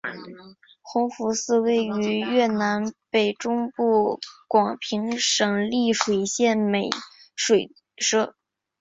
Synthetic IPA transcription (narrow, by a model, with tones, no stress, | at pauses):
xʊ˧˥ŋfu˧˥sɹ̩˥˧we˥˩ɪy˧˥ɥɛ˥˩na˧˥npe˨˩ɪʈ͡ʂʊ˥ŋpu˥˩kwɑ˨˩ŋpʰi˧˥ŋʂɤ˨˩ŋli˥˩ʂwe˨˩ɪɕjɛ˥˩nme˨˩ɪ | ʂwe˨˩ɪ | ʂɤ˥